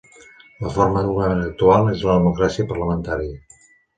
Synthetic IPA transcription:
ləfoɾməðuɣəmenək̚t̪ualˠezləðəmukɾasiəpərləmənt̪aɾiə

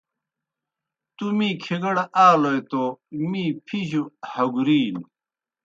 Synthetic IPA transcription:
t̪umiːkʰeɡɐɽaːlojt̪omiːpʰiʑuhɐɡuɾiːl

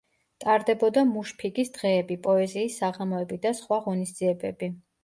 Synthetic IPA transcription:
t̪ʼaɾd̪ɛbɔd̪amuʃpʰiɡisd̪ʁɛːbipʼɔɛziːsːaʁamɔɛbid̪asχwaʁɔnisd̪z̥iɛbɛ̰bi

